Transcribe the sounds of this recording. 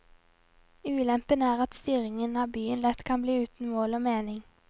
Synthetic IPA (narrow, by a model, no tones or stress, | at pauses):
ʉːlɛmpənəæːʁɑt̪st̪yːʁɪŋənɑːbyːənlɛt̪kʰɑnbliːʉːt̪n̩moːloːmeːnɪŋ